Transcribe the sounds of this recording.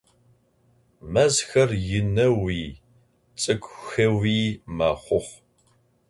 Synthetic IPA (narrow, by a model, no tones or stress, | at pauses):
mɐzxɐrjɪnɐwiː | t͡sʼɨkʷʼxɐwiːmaːχʷʊχʷ